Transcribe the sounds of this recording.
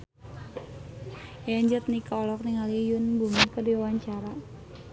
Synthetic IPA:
jaɲd͡ʒət̪̚nikɔlɔk̚niŋalijʊnbumikədiawaɲt͡ʃaɾa

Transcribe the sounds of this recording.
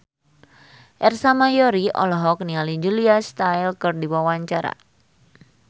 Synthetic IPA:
ʔɛrsamajɔɾiʔɔ̰lɔɦɔk̚nialid͡ʒuliast̪ajlkɨrdiwawaɲt͡ʃaɾa̰

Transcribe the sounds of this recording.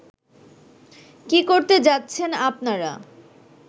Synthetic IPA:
kikoɾt̪ed͡ʑatːɕʰenapnaɾa̰

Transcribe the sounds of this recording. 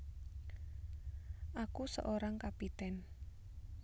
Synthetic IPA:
ʔakusə̰ʔoɾaŋkapit̪ɛn

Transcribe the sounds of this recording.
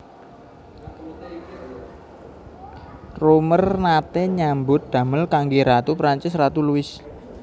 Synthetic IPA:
romərnat̪eɲambʊt̪̚d̪̥ä̤məlkaŋɡiɾat̪upɾaɲt͡ʃɪsrat̪uluɪs

